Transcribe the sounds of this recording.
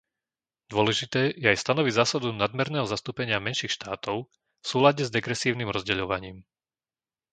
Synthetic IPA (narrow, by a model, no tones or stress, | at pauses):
d̪ʊɔlɛʒit̪ɛːjɛajst̪anɔʋiɟzaːsad̪unad̪mɛɾnɛːɦɔzast̪uːpɛɲɪamɛnʃiːxʃt̪aːt̪ɔʊ | fsuːlaɟɛzd̪ɛɡɾɛsiːʊnimɾɔzɟɛʎɔʋaɲiːm